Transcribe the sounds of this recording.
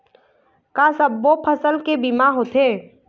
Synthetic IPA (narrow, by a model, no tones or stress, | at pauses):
kaːsəbːopʰəsəlkebimaɦot̪ʰeː